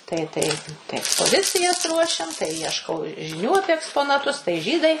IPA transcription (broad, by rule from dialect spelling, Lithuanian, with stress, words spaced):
tɐɪ ˈtɐɪ tɐɪ ɛkspoːˈzʲɪt͡sʲɪjɛs ˈruɔʃʲɛm tɐɪ ˈjiɛʃkɐʊ ʒʲɪˈnʲuː ˈɑːpʲiɛ ɛkspoːnɐˈtʊs tɐɪ ˈʒʲiːdɐɪ